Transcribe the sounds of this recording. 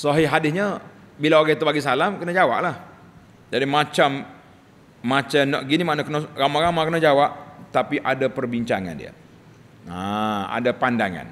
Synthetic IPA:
sɔɦɪɦadɪsɲəbilaoɾat̪ubaɡis̬alamkənad͡ʒawa̰ʔlah | d͡ʒadimãt͡ʃamː | ãt͡ʃanɔ̰ʔɡinimanakənəɾamaɾamakənad͡ʒawaʔ̚t̪apiʔadapərbiɲt͡ʃaŋa̰ndḭə̰ | aa̰dapandaŋa̰n

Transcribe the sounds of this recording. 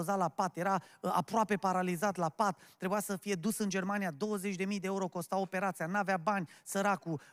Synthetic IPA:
ozalapat̪je̞ɾaa̰pɾoape̞paɾalizat̪lapat̪ːɾe̞bujasəfije̞d̪usɨnd͡ʒe̞rmanijad̪o̞wəzet͡ʃʲd̪e̞mijd̪eeuɾo̞ko̞st̪awo̞pe̞ɾat̪sijanuaveabanʲsəɾaku

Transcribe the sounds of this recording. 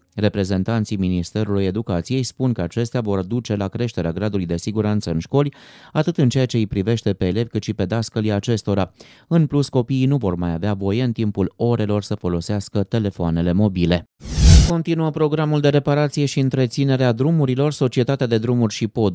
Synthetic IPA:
re̞pɾe̞ze̞nt̪ant̪sijminist̪e̞ɾuluje̞d̪ukat̪sije̞jspunkəat͡ʃe̞st̪eavo̞rd̪ut͡ʃe̞lakɾe̞ʃt̪e̞ɾeaɡɾad̪ulujd̪e̞siɡuɾant̪səɨnʃko̞lʲat̪ɨt̪ɨnt͡ʃe̞jat͡ʃe̞ijpɾive̞ʃt̪e̞pe̞ːle̞vkɨt̪ʃipe̞d̪askəliaːt͡ʃe̞st̪o̞ɾa | ɨnplusko̞piːnuvo̞rmajaveavo̞je̞ɨnt̪impulo̞ɾe̞lo̞rsəfo̞lo̞seaskət̪e̞le̞foane̞le̞mo̞bile̞ko̞nt̪inuəpɾo̞ɡɾamuld̪e̞ɾe̞paɾat̪sije̞ʃiɨnt̪ɾe̞t̪sine̞ɾead̪ɾumuɾilo̞rso̞t͡ʃie̞t̪at̪ead̪e̞d̪ɾumurʲʃipo̞d̪

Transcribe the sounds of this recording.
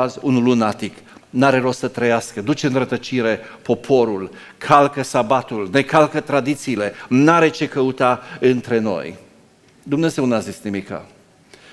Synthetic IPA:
azunulunat̪iknaɾe̞ɾo̞ssət̪ɾəjaskəd̪ut͡ʃeɨnɾət̪ət͡ʃiɾe̞po̞pʰo̞ɾul | kʰalkəsabat̪ulne̞kalkət̪ɾad̪it̪siːle̞naɾe̞t͡ʃe̞kəut̪aɨnt̪ɾe̞no̞̰j | d̪umne̞ze̞wnazisnimika̰

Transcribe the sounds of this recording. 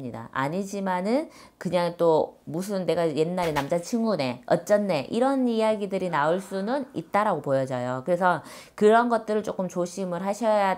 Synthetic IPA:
ɲida̰a̰ɲid͡ʑimanɯn | kɯɲaŋt͈omus̬ʰɯnːe̞ɡaje̞nːaɾenamd͡ʑat͡ɕʰiŋɡune̞ʌt͡ɕ͈ʌnːe̞ʔiɾʌnijaɡidɯɾinaɯɭs͈unɯnit̚t͈aɾaɡopojʌd͡ʑajokɯɾe̞sʰʌkɯɾʌnɡʌt̚t͈ɯɾɯɭt͡ɕ͈ok͈ɯmt͡ɕoɕʰimɯɭɦaɕʰʌja

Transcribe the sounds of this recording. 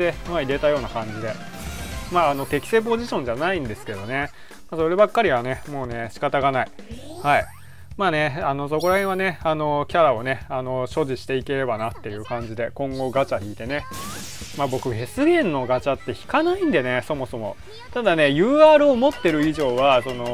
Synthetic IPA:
t̪emaiɾe̞t̪ajo̞ːnakãɲ̟d͡ʑid̪e̞ | maːno̞t̪e̞kʲi̥se̞ːp̬o̞ʑiɕõ̞ɲ̟d͡ʑanaĩnd̪e̞sɨ̥ke̞d̪o̞ne̞ | maso̞ɾe̞bakːaɾʲiβ̞ane̞mo̞ːne̞ɕi̥kat̪aɡanai | hai | maːneano̞s̬o̞ko̞ɾahẽɰ̃βane̞ano̞kʲaɾao̞ne̞ano̞ɕo̞ʑiɕi̥t̪e̞ike̞ɾe̞banat̪ːe̞jɯ̟ːkãɲ̟d͡ʑid̪e̞kõ̞ŋɡo̞ɡat͡ɕaçiːt̪e̞ne̞ | mabo̞kɯ̟ɡe̞sɨɡẽ̞nːo̞ɡat͡ɕat̪ːe̞çi̥kanaĩnd̪e̞ne̞so̞mo̞so̞mo̞̰ | t̪ad̪ane̞jɯ̟ːaːɾɯ̟omo̞t̪ːe̞ɾɯ̟iʑo̞ːβaso̞no̞

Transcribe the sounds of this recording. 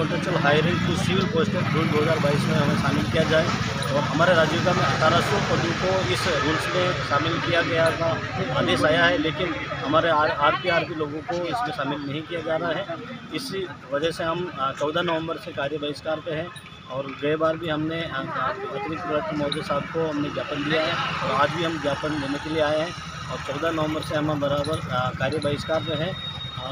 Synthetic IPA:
ʊlʈɾet͡ʃɾəlɦaːɪɾɪ̃ŋkiʃiːʋɪlpoːsʈəkd͡ʒuːld̪oːɦɐzaːɾbaːɪismẽɦɐmẽʃaːmɪlkijad͡ʒaːe | ɔːɾɦɐmaːɾeɾaːd͡ʒjok̪amẽɐt̪ʰaːɾasʊbpod̪ũkoɪsɾuːlsmeʃaːmɪlkijaɡɐjat̪ʰa | aːd̪eːsaːjaɦɛleːkɪnɦɐmaːɾeːɾaːɾpiaːɾkiloːɡõkoɪsmẽʃaːmɪlnɐɦĩkijad͡ʒaːɾaaɦɛɪsiʋɐd͡ʒɛseɦɐmt͡ʃɔːd̪ʱanɐʋə̃mbəɾsekaːɾjəbəɪskaːɾpeɦɛ̃ | ɔːɾɡɐebaːɾbʱiɦɐmneːkepɐt̪ɾɪkət̪mɔːd̪esaːb̚ʱkoɦɐmnẽɡjaːpənd̪ijaɦɛɔːɾaːd͡ʒbʱiɦɐmɡjaːpənleːnekelieaːjeɦɛ̃ | ɔːɾt͡ʃɔːd̪ʱanɐʋə̃mbəɾseɦɐmbɐɾaːbəɾkaːɾjəbəɪskaːɾpeɦɛ̃ː

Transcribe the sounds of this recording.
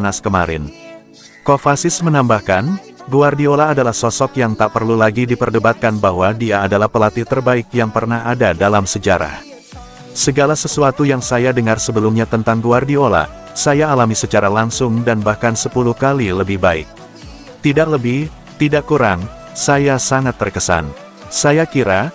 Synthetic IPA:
naskəma̰ɾɪ̰n | kofasɪsmənambahkan | ɡuardiolaːdalahsɔsɔkjaŋt̪aʔpərlulaɡidipərdəbat̪̚kanbaɦwadiaːdalahpəlat̪it̪ərbaɪk̚jaŋpərnahadadalamsəd͡ʒaɾa̰h | səɡalasəsuat̪ujaŋsajadəŋarsəbəlumɲat̪ənt̪aŋɡuardiola̰ | sajaːlamisət͡ʃaɾalaŋsʊŋdanbahkansəpuluhkaliləbɪhbaɪ̰k̚ | t̪idaʔləbɪh | t̪idaʔkuɾaŋ | sajasaŋat̪ːərkəsa̰n | sajakiɾa

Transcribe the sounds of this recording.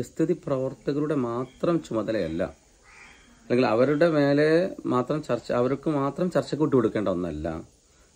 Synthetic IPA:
ist̪ʰiðiprɐʋɐrt̪ɐɣɐluɽe̞maːt̪rɐmt͡ɕumɐðɐlɐjɐ̰lːɐ̰ | ɐlːeŋɡilɐʋɐɾuɽe̞me̞ːle̞maːt̪rɐmt͡ɕɐrt͡ɕːɐɐʋɐɾokːɨmaːt̪rɐmt͡ɕɐrt͡ɕːɐk̬ːuʈːikoɽukːeːɳɖɐɐnːɐ̰lːa̰m

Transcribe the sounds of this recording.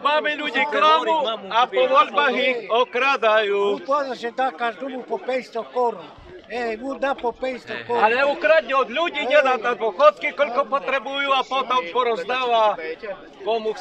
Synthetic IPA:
mamɛʎuɟiːkɾanuapɔʋɔʎbaɣiɔkɾad̪ajuːpɔd̪ased̪akaɾd̪ubupɔpɛst̪ɔkɔɾɔ | ɛmud̪apɔpɛjst̪ɔkɔalɛukɾad̪ɲɛɔd̪ʎuɟiːɲɛd̪at̪ad̪ʋɔxɔt̪kikɔʎkɔpɔt̪ɾɛbujuːapɔt̪ɔmpɔɾɔzd̪aʋa | kɔmux

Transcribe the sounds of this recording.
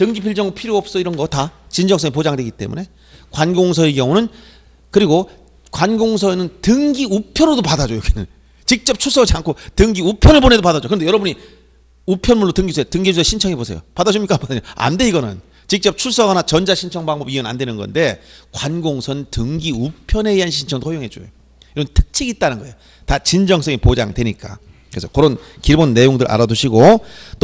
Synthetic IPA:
tɯŋɡipʰiɭd͡ʑʌŋpʰiɾjoʌp̚s͈ʌiɾʌnɡʌtat͡ɕind͡ʑʌŋs͈ʌŋip̬od͡ʑaŋdweɡit͈e̞̰mune̞ | kwanɡoŋsʰʌekjʌŋunɯn | kɯɾiɡo | kwanɡoŋs̬ʰʌenɯntɯŋɡiupʰjʌɾodopadad͡ʑojoɡinɯn | t͡ɕik̚t͡ɕ͈ʌp̚t͡ɕʰus͈ʌiankʰotɯŋɡiupʰjʌnɯɭbonedopadad͡ʑokɯʌndejʌɾʌbuɲi | upʰjʌnmuɭːotɯŋɡisʰeotɯŋɡid͡ʑusʰeɕʰint͡ɕʰʌŋebosʰe̞jo̰padad͡ʑumɲik͈apadad͡ʑoa̰nde̞iɡʌnɯn | t͡ɕik̚t͡ɕ͈ʌp̚t͡ɕʰuɭs͈ʌɡanat͡ɕʌnd͡ʑaɕʰint͡ɕʰʌŋbaŋbʌbiɯna̰ndwe̞nɯnɡʌ̰nde̞kwanɡoŋsʰʌntɯŋɡiupʰjʌne̞iɦanɕʰint͡ɕʰʌŋdohʰojoŋɦed͡ʑ͈ojo | iɾʌbɯntʰɯ̥k̚t͡ɕʰiɡit͈anɯnɡʌejo | tat͡ɕind͡ʑʌŋs͈ʌŋipod͡ʑa̰ŋdwe̞ɲik͈a̰ | kɯɾesʰʌkɯɾonkibonːe̞joŋdɯɾʔa̰ɾaduɕʰiɡot͈o

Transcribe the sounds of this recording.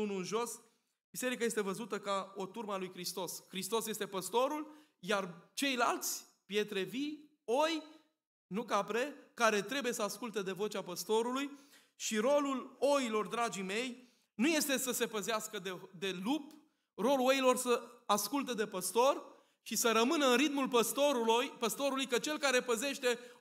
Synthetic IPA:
ununʒo̞s | bise̞ɾikaje̞s̬t̪e̞vəzut̪əkao̞t̪urməalujkɾist̪o̞skɾist̪o̞sje̞st̪e̞pəst̪o̞ɾul | jart͡ʃe̞jla̰lt̪sʲ | pje̞t̪ɾe̞vi | o̞j | nukapɾe̞kaɾe̞t̪ɾe̞buje̞səaskult̪ed̪e̞vo̞t͡ʃʲapəst̪o̞ɾuluj | ʃiɾo̞lulo̞ilo̞rd̪ɾad͡ʒime̞j | nuje̞st̪e̞səse̞pəzeaskəd̪ed̪e̞lup | ro̞luo̞ilo̞rsəaskult̪̬əd̪e̞pəst̪o̞r | ʃisəɾəmɨnəɨnɾit̪mulpəst̪oɾujpəst̪o̞ɾulujkət͡ʃe̞lkaɾe̞pəze̞ʃt̪e̞

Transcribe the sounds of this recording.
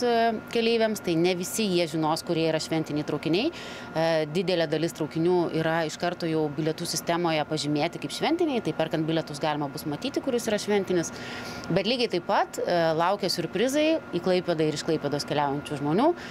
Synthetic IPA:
kʲɛlʲeɪʋʲɛmst̪ɐɪnʲɛʋʲɪsʲɪjiɛʒʲɪnoːskʊɾʲiɛiɾɐʃʲʋʲɛnt̪ʲɪnʲɛɪt̪ɾɐʊkʲɪnʲɛɪ | d̪ʲɪd̪ʲɛlʲeːd̪ɐlʲɪst̪ɾɐʊkʲɪnʲuːiːɾɐɪʃkɐrt̪oːjɛʊbʲɪlʲɛt̪uːsʲɪsʲt̪ʲæmoːjɛpɐʒʲɪmʲeːt̪ʲɪkɐɪpʃʲʋʲɛnʲt̪ʲɪnʲɛɪt̪ɐɪpʲɛrkɐnt̪bʲɪlʲɛt̪ʊsɡɑːlʲɪmɐbʊsmɐt̪ʲiːt̪ʲɪkʊɾʲɪsiːɾɐʃʲʋʲɛnʲt̪ʲɪnʲɪsbʲɛt̪lʲiːɡʲɐɪt̪ɐɪppɐt̪lˠɐʊkʲɛsʲʊɾʲpʲɾʲɪzɐɪiːklˠɐɪpʲeːd̪ɐɪɾɪʃklˠɐɪpʲeːd̪oːskʲɛlʲæˑʊjɛnʲt͡ʃʲuːʒmoːnʲuː

